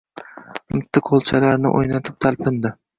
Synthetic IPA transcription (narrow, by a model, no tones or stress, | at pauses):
mʊt̪ʰːɪqʰolˠt͡ʃʰalaɾnɪ̰ʔo̰jnat̪ʰɪp̚t̪ʰalpʰɪnd̪ɪ